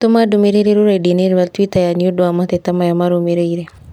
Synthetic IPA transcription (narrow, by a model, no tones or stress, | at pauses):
t̪umadumeɾeɾeɾuɾadineɾβat̪witajanijudoamat̪et̪amajamaɾomeɾeiɾe